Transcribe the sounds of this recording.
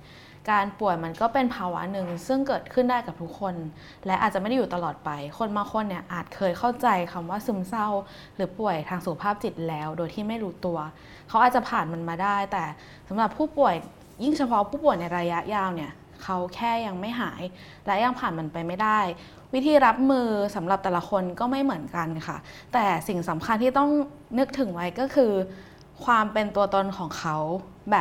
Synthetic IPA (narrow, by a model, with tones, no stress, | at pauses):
kaː˧npu˨˩əjma˧nkɔː˥˩pe˧npʰaː˧wa̰˦˥nɯ˨˧˩ŋsɯ˥˩ŋkɤː˨˩t̪̚kʰɯ˥˩ndaː˥˩jka˨˩p̚t̪ʰu˦˥kʰːo˧n | lɛ˦˥ʔaː˨˩t̪̚t͡ɕa˨˩m˥˩da˥˩juː˨˩t̪a˧lɔː˨˩t̪̚pa˧jkʰo˧nmaː˧xʰo˧nːi˥˩ɐʔaː˨˩t̪̚kʰɤː˧jkʰa˥˩wt͡ɕa˧jkʰa˧mwaː˥˩sɯ˦˥msa˥˩w | ɾɯː˩˦pu˨˩əjt̪ʰaː˧ŋsu˨˩kʰa˧pʰaː˥˩p̚t͡ɕi˨˩t̪̚lɛː˦˥wdoː˧jt̪ʰiː˥˩ma˥˩jɾuː˦˥t̪u˧ɐ | kʰa˦˥wʔaː˨˩t̪̚t͡ɕa˨˩pʰaː˨˩nma˧nmaː˧daː˥˩jt̪ɛː˨˩ | sa˩˦mɾa˨˩pʰuː˥˩pu˨˩əj | ji˥˩ŋt͡ɕʰa˧pʰɔ˦˥pʰuː˥˩pu˨˩əjna˧jɾaː˧ja˦˥ʔjaː˧wni˥˩ɐ | kʰa˦˥wkʰɛː˥˩ja˧ŋma˥˩jɦaː˩˦j | lɛ˦˥ja˧ŋpʰaː˨˩nma˧npa˧jma˥˩jda˥˩j | wi˦˥t̪ʰiː˧ɾa˦˥p̚mɯː˧sa˩˦mɾla˨˩p̚t̪ɛː˨˩la˧˦kʰo˧nkɔː˥˩ma˥˩jmɯ˩˦ənka˧nkʰa̰˥˩ | t̪ɛː˨˩si˨˩ŋsa˩˦mkʰa˧nt̪ʰiː˥t̪ɔ˥˩ŋ | nɯ˦˥k̚t̪ʰɯ˨˩˦ŋwa˦˥jkɔː˥˩kʰɯː˧ | kʰwaː˧mpe˧nt̪u˧ɐt̪o˧nkʰɔː˩˦ŋkʰa˦˥w | bɛː˨˩p̚